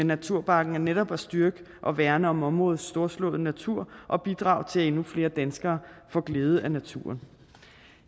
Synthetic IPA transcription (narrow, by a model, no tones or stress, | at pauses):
enːæt͡sʰuɐ̰b̥ɑ̈ɡ̥n̩æɐneɾɒ̽b̥æsd̥yɐɡ̥ə | ʔɒ̽ʋæɐnəɒ̽mɒ̽mʁɔ̽ːð̩ˠsd̥o̝ɐslɔ̰̽ːð̩ˠnæt͡sʰuɐ̰ʔɒ̽b̥id̥ʁɑ̰̈ʊ̰t͡sʰe̝læe̝nufle̝ːɐd̥ænsɡ̥ɐːfɒ̽ɡ̥le̝ːð̞ˠəænæt͡sʰṵɐn